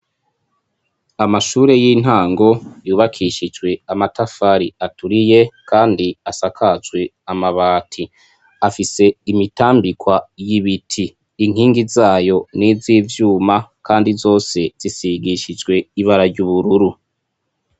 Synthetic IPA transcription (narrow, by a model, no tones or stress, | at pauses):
amaʃuːɾe̞jin̥haːŋɡo̞juːβakʰiʃid͡ʒwe̞amatʰafaɾiatuɾije̞kʰaːndiasakʰazwe̞ | amaβaːtʰi | afise̞imitaːmbikwajiβitʰiː | ŋ̥iːŋɡizaːjo̞niziːvjuːmakʰaːndizo̞ːse̞z̥isiɡiʃid͡ʒɡwe̞iβaɾaɾɟuβuɾuɾu